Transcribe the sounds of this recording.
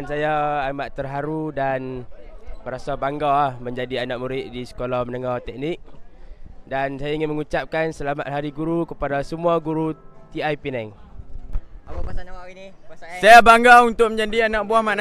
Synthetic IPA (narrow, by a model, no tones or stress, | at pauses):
ansajaːmaʔt̪ərɦaɾudan | bəɾasabaŋɡalahməɲd͡ʒadianaʔ̚muɾɪʔdisə̥kolahmənəŋaht̪ɛk̚nɪk̚ | dansajaiŋɪnməŋut͡ʃap̚kansəlamat̪̚ɦaɾiɡuɾukəpadasəmuaɡuɾut̪iajpinɛŋ | sajabaŋɡaunt̪ʊk̚məɲd͡ʒadianaʔ̚buahman